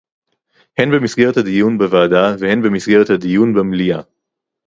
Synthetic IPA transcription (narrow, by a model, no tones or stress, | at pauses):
henbemisɡeʁet̪had̪ijunbevaːdavehe̞nbemisɡeʁet̪had̪ijunbemlia